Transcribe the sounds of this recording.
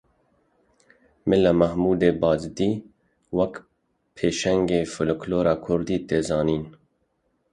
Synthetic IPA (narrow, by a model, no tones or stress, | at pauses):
mɪlamɐhmuːd̪eːbɑːd͡ʒd̪iː | wɐk | pʰeːʃɛŋɡeːfʊlkloːɾɑːkʰʊɾd̪iːt̪eːzɑːniːn